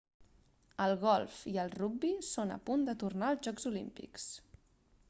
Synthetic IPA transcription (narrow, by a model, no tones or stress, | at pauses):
əlˠɣɔlˠfiəlˠruɡ̚bisonə̰pund̪ət̪urnaəlˠzʒɔɡzulḭmpḭks